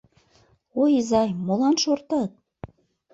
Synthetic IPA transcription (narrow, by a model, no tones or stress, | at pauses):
ojizɑjmolˠɑnʃort̪ɑt̪̚